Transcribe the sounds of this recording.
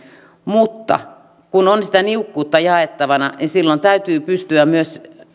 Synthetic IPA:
mut̪ːɑ̰ | kunonsit̪æniukːuːt̪ːɑjɑet̪ːɑʋɑnɑnisilːont̪æyt̪yːpyst̪yæmyøs

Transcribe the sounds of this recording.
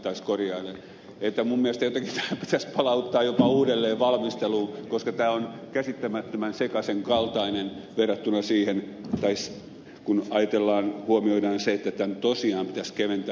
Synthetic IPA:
t̪ɑiskorjɑilːe | et̪ːæmummiælest̪æjot̪ɑkit̪ʰæːpi̥t̪æspɑlɑut̪ːɑːjopɑuːdelːeːʋɑlmist̪eluːkoskɑt̪æːonkæsit̪ːæmæt̪ːømænsekɑseŋkɑlt̪ɑinenʋerːɑt̪ːunɑsiːhent̪ɑis | kunɑjɑt̪elːɑːnhuomioidɑːnseet̪ːæt̪ænt̪osiɑːmpit̪æskeʋent̪æ

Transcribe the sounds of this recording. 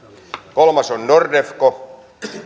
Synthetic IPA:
kolmɑsonnordefko

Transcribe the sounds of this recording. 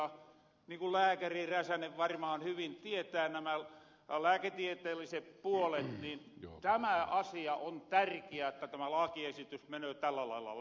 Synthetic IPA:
ɑ | niːŋkullæːkæriræsæneʋʋɑrmɑːnhyʋint̪iet̪æːnæmæ | læːket̪iet̪eːlːiseppuolet̪niːnt̪æmæɑsiɑʔont̪ærkiæet̪ːæt̪æmælɑkiesit̪ysmenøːt̪ælːælɑ̰ilːɑ̰

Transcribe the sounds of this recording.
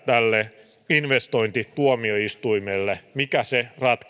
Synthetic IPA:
t̪ælːe | inʋest̪oint̪it̪uomioist̪uimelːemikæserɑt̪k

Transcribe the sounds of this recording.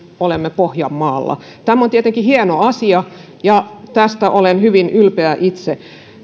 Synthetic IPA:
olemːepohjɑmːɑːlːɑ̰ | t̪æmːont̪iet̪eŋkihienoɑsiɑ | jɑt̪æst̪æʔolenhyʋinylpeæʔit̪se

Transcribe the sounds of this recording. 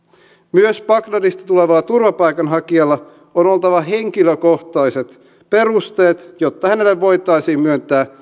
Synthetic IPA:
myøspɑklɑdist̪ɑt̪ule̞ʋɑːt̪urʋɑpɑjkɑnɦɑkiɑlːɑ | ono̞lˠt̪ɑʋɑɦe̞ŋkiløko̞ht̪ɑjse̞t̪ | pe̞rust̪e̞ːt̪jot̪ːɑhæne̞lːeʋːo̞jt̪ɑjsiːmmyønt̪æː

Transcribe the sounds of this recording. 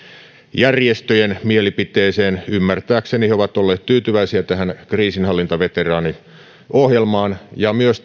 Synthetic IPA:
jærjest̪øjenmielipit̪e̞ːseːnymːært̪æːkseniheoʋɑt̪olːeːt̪t̪yːt̪yʋæisiæt̪æɦænkriːsinhɑlːint̪ɑʋe̞t̪erɑːni | ohjelmɑːnjɑmyøs

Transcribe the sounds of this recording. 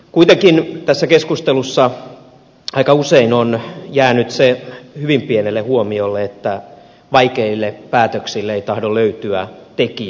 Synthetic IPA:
kuit̪eŋkint̪æsːækeskust̪elusːɑ | ɑikɑuseinonjæːnyt̪sehyʋimpienelːehuomiolːeet̪ːæ | ʋɑikeilːeppæːt̪øksilːeeit̪ɑhdoløyt̪yæt̪eki

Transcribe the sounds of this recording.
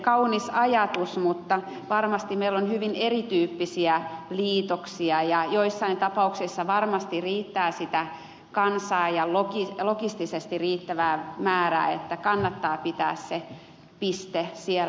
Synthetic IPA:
kɑunisɑjɑt̪usmut̪ːɑ | ʋɑrmɑst̪imeilːonhyʋinerit̪yːpːisiæliːt̪oksiɑjɑjoisːɑint̪ɑpɑuksisːɑʋɑrmɑst̪iriːt̪ːæːsit̪æ | kɑnsɑːjɑlokilokist̪isest̪iriːt̪ːæʋæːmæːræ̰ːḛt̪ːækɑnːɑt̪ːɑːpit̪æ̰ːsse | pist̪esiel

